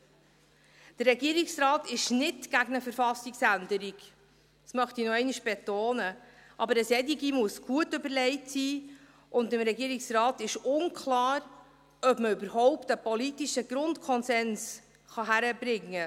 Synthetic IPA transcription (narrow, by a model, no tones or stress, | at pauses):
d̥ərːɛɡiːəɾiksrɑːtɪʃnɪtɡ̥æɡənəfəɾfɑsiksænd̪əɾiɡ̥ | smœχtinɔɛɪniʃb̥etoːnəʔɑbəɾəsɛdiɡimuəsɡ̥uətøbəlɛɪtsiː | ʊnd̪ɪmɾɛɡiːɾiksrɑːtɪʃʊnkʰlɑːɾ | œbməʏbəɾɦɔʊptəpɔlitiʃəɡ̥ɾʊntkʰɔnsɛns | χɑɦæɾəbɾɪŋːə